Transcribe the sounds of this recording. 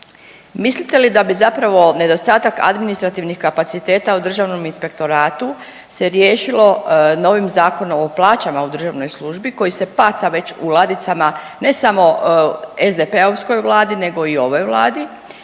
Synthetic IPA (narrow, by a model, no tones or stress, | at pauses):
mislit̪e̞lid̪abizapɾaʋo̞ne̞d̪o̞st̪aːt̪aka̰d̪minist̪ɾat̪iʋnixkapat̪sit̪e̞ːt̪aud̪r̩ʒaʋno̞minspe̞k̚t̪o̞ɾaːt̪u | se̞ɾje̞ːʃilo̞no̞ʋimzaːko̞nooplˠaːt͡ɕamaud̪r̩ʒaʋno̞jslˠuʒbiko̞jise̞paːt̪saʋe̞t͡ɕulˠad̪it̪sama | ne̞samo̞ | ezd̪e̞pe̞oʋsko̞jʋlˠaːd̪ine̞ɡo̞io̞ʋo̞jʋlˠaːd̪i